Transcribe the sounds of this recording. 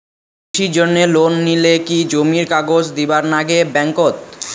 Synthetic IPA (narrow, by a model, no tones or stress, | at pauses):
ʃid͡ʑonːelonːilekid͡ʑomiɾkaɡod͡ʑd̪ibaɾnaɡebɛŋkot̪̚